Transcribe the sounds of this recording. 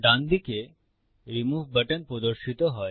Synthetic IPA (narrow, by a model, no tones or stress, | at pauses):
ɖãnd̪ike | ɾimuːʋbəʈənpɾɔd̪əɾʃit̪oɦɔj